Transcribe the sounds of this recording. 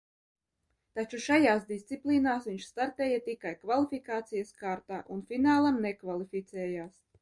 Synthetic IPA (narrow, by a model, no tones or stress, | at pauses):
t̪at͡ʃuʃajaːsd̪ist̪sipliːnaːsviɲʃst̪aɾt̪ɛːjat̪ikajkvalˠifikaːt̪sijɐskaːɾt̪aːʔunfinaːlˠamnɛkvalˠifʲit̪sɛːjaːs